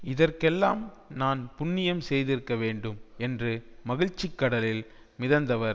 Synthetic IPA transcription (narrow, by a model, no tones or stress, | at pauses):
ɪðɐrkɛlːaːmnaːnpʊnːɪjɐmsɛjðɪɾɯkːɐʋeːɳɖɯmɛndrɯmɐɣɪɻt͡ʃːɪkːɐɽɐlɪl | mɪðɐnd̪ɐʋɐɾ